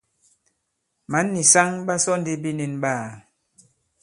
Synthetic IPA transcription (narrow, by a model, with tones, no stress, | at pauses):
ma˨˦nːi˨sa˦ŋba˦sɔ˦n˦di˦bi˦ne˨nɓaː˦˨